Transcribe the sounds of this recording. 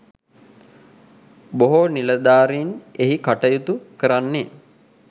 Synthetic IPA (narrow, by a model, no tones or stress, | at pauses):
boɦoniləd̪aːɾiːneɦikaʈəjut̪ukəɾanːe